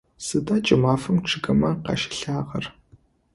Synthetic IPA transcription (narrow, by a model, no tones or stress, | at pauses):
sɨdaːt͡ʃʼɪmaːfɐmʈ͡ʂʰɨɡɐmɐqɑ̰ʃɪ̥ɬaːʁɐr